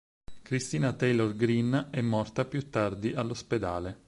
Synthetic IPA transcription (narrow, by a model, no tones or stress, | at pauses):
kɾist̪iːnat̪ɛjlɔrɡɾinɛmːɔrt̪apjut̪ːard̪iʔalːosped̪aːle